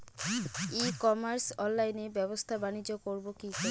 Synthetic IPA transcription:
ikɔmaɾsɔnlajnebɛbost̪ʰabanid͡ʒːɔkoɾbokik

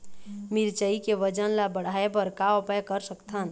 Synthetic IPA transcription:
miɾt͡ʃəikeʋəd͡ʒənlabəɽ̤aepəɾkaɔpəjkəɾsəkt̪ʰan

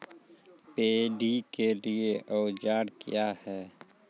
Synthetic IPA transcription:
peːɖikelieʔɔʊd͡ʒaːɽkʰḭjahɛː

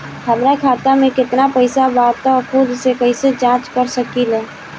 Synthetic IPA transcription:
həmɾakʰaːt̪amẽkɪt̪napəɪsabaːɾt̪akʰʊd̪sekəɦised͡ʒãːt͡ʃkəɾsəkilɛː

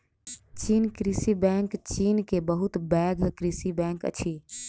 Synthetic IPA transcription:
t͡ʃinkɾisibɛ̃ŋkt͡ʃinkebəɦut̪bɛɡʱkɾisibɛ̃ŋkə̰t͡ʃʰi

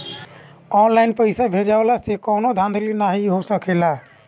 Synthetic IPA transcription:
ɔnlaɪnpəɪsabʱed͡ʒaolasekɔːnod̪ʱãnd̪ʱəlinaɦiɦosəkʰela

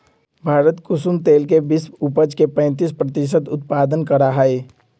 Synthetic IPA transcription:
bʱaːɾət̪kʊsumt̪eːlkebɪsʊpəd͡ʒkepɛ̃ːnt̪̬ispɾət̪ɪʃ̬ət̪ʊt̪paːd̪ənkəɾaɦɛe

